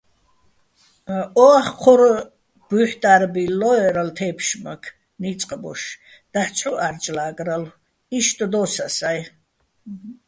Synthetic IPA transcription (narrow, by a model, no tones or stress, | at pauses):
ɔaχqʰɔɾ | b̥uħt̪ʼaɾbilɔɛɾalt̪ʰɛːpʰʃmakʰ | nit͡sʼqʼbɔ̰ʃ | d̪̥aħt͡sʰʼuart͡ʃʼlaːɡʼral | iʃt̪ʼɔd̪ɔsasaj